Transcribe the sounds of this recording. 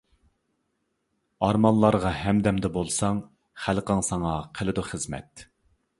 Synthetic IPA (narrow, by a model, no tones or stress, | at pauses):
ɑɾmɑnlːˠɑɾʁɑɦɛmd̪ɛmd̪ɛbolˠsɑŋ | χælqəŋsɑŋɑqʰəlɨd̪ʊχəzmɛ̰t̪